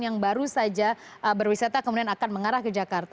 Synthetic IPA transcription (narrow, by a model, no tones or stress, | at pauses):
jaŋbaɾusad͡ʒaʔəbərwisat̪akəmudianakanməŋaɾahkəd͡ʒakart̪a